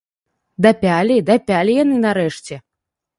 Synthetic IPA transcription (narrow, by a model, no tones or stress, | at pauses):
d̪apʲalʲid̪apʲalʲijanɨnaɾɛʂt͡sʲɛ